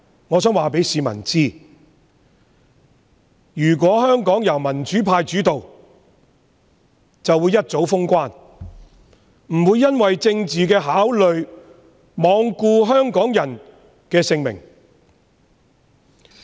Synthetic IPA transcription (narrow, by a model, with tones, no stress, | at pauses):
ŋɔː˨˧sœː˨˥ŋwaː˨pe˨˥jsiː˨˧mɐ̰˨˩nt͡siː˥ | jyː˨˩k̬ʷɔː˨˥hœː˥ŋkɔː˨˥ŋjɐ˨˩wmɐ˨˩nt͡ʃyː˨˥pʰaː˧jt͡ʃyː˨˥t̪o˨w | t͡sɐ˨wuː˨˧jːɐ˥t̚t͡so˨˥wfʊ˥ŋkʷaː˥n | m̩˨˩wuː˨˧jːɐ˥nwɐ˨jt͡sɪ˧ŋt͡siː˨kɛː˧ɦaː˨˥wlɵ˨ɥ | mɔː˨˧ŋkuː˧ɦœː˥ŋkɔː˨˥ŋjɐ˨˩n | kɛː˧sɪ˧ŋmɪ̰˨˩ŋ